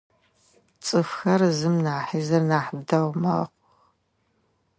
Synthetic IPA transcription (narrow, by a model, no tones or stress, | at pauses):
t͡sʼɨfxɐrzɨmnaːħiːzɐrnaːħəb̚dɐwmɐ̰qʷ | x